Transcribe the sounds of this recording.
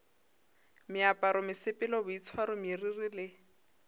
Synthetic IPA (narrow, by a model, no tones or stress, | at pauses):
mɪapʼaɾɔmɪsɪpʼɪlɔbʊit͡sʰwaɾʊmiririlɪ